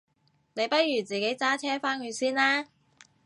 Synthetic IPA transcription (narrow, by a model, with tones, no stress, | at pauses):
ne˨˧jpɐ˥t̚jyː˨˩t͡siː˨ke˨˥jt͡saː˥t͡ʃʰɛː˥faː˥nky˨˧siː˥nlaː˥